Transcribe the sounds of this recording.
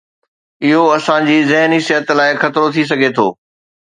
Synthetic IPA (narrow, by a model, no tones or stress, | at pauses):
ɪɦoɐsãd͡ʑiːzɪɦnisɪɦət̪laːɪxɐt̪ɾot̪ʰis̬ɐɡʱet̪ʰoː